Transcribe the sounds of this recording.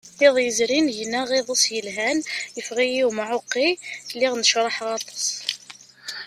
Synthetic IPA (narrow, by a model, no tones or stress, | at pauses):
iðˤjəzɾinjnæɣiðˤusjəlɦænjəfʁijiwmaʕʊqːilːiʁnəʃɾˤɑħʁɑt̪ˤɑ̥sˤ